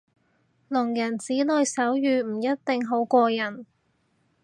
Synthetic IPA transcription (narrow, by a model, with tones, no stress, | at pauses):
lʊ˨˩ŋjɐ˨˩nt͡siː˨˥lɵ˨˧jsɐ˨˥wjyː˨m̩˨˩jɐ˥t̚t̪ɪ˨ŋɦo˨˥wkʷɔː˧jɐ˨˩n